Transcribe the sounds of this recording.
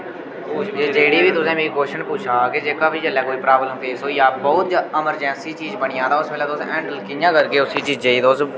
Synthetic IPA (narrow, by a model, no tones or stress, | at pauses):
d͡ʒeːɽiːʋiːt̪ʊsẽːmeːiːkoːʃənpuːt͡ʃʰaːkɪd͡ʒeːkaːpiːd͡ʒəlːɛːkoːiːpɾaːbləmpʰeːsɦoːijaːbɔːt̪d͡ʒəməɾd͡ʒɛ̃ːnsiːt͡ʃiːzbəɽ̃ijãːd̪aːʊsbeːlɛːt̪ʊsɛ̃ːɳɖəlkɪjãːkəɾkeːʊsiːt͡ʃiːd͡ʒd͡ʒeːiːt̪oʊs